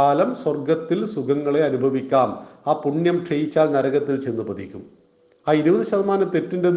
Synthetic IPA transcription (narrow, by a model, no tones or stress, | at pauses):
aːlɐmswɐrɡɐt̪ːilsuɣɐŋːɐɭe̞ɐnubʱɐʋikʲːaːmaːpuɳjɐmʈʰrejit͡ɕːaːlnɐɾɐɣɐt̪ːilt͡ɕe̞nːɨpɐðikʲːum | aːiɾubɐðɨɕɐðɐmaːnɐt̪ːe̞tːinde